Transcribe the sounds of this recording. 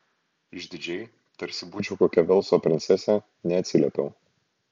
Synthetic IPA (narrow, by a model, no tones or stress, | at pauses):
ɪʒʲd̪ʲɪd͡ʒʲɛɪ | t̪ɐɾʲsʲɪbuːt͡ʃʲɛʊkoːkʲɛʋʲɛlˠsoːpʲɾʲɪnt̪sʲɛsʲɛ | nʲɛɐt̪ʲsʲɪlʲɛpʲɛʊ